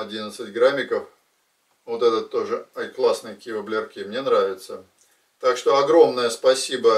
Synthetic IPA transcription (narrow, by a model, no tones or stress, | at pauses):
ɐdʲinət̪sɨtʲɡɾamʲɪkəf | vot̪ɛt̪ət̪ːo̞ʐɨɐklˠasnɨjkʲijəvəblʲɪrkʲimnʲe̞nɾavʲɪt̪sə | t̪akʂt̪o̞ɐɡɾo̞mnəjəspɐsʲibə